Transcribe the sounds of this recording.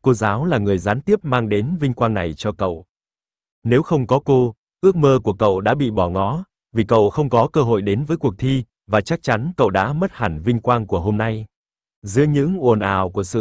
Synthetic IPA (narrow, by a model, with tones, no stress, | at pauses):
ko˧zaː˨˦wlaː˨˩ŋɨ˨˩əjzaː˨˦nt̪i˦˥əp̚maː˧ŋɗe˨˦nvï˧ŋkwaː˧ŋna˨˩jt͡ɕɔ˧kə̰˧˨w | ne˨˦wxə˧wŋ͡mkɔ˨˦ko˧ | ʔɨ˦˥ək̚məː˧ku˧˩əkə̰˧˨wɗa̰ː˧˥ɓḭ˧˨ɓɔ˧˩ŋɔ˨˦ | vi˨˩kə̰˧˨wxə˧wŋ͡mkɔ˨˦kəː˧ɦo̰˧˨jɗe˨˦nvəː˨˦jku˨˩ək̚t̪ʰi˧ | vaː˨˩t͡ɕa˦˥k̚t͡ɕa˨˦nkə̰˧˨wɗa̰ː˧˥mə˦˥t̚ha˨˩ŋvï˧ŋ̟kwaː˧ŋku˧˩əɦo˧mna˧j | zɨ̰˨˧˦əɲɨ̰˧˥ŋʔo˨˩nʔaː˨˩wku˧˩əsɨ̰˧˨